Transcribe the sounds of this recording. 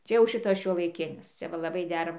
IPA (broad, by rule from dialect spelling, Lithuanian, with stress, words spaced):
ˈt͡ʃʲɛ jɛʊ ˈʃʲɪtɐs ʃʲuɔlˠɐɪˈkʲɪnʲɪs ˈt͡ʃʲɛ ˈʋɐ lˠɐˈbɐɪ ˈdʲæːrɐ